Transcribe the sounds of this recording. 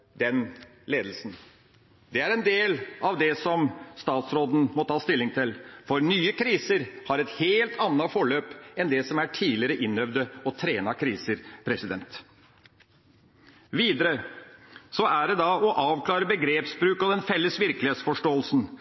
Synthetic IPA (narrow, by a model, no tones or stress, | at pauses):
d̪̥ɛn | leːd̪l̩sn̩ | d̪ɛæɾɛnd̪eːlɑʋd̪ɛsɔmst̪ɑːt̪sɾoːd̪ən̩mɔt̪ʰɑːst̪ɪlːɪŋt̪ʰɪlfɔɾnyːəkʰɾiːsəɾhɑɾɛt̪heːlt̪ʰɑnːɑfɔɭøːpɛnd̪ɛsɔmæʈʰiːlɪəɾəʔɪnːœʋd̪əɔt̪ʰɾeːnɑkʰɾiːsəɾpʰɾɛsɪd̪ɛ̰nt̪ | ʋiːd̪əɾə | sɔæɖɛd̪ɑɔʔɑːʋkʰlɑːɾəbəɡɾeːpsbɾʉːkɔd̪ɛnfɛlːəsʋɪɾkəlɪheːt̪sfɔʂʈoːəlsn̩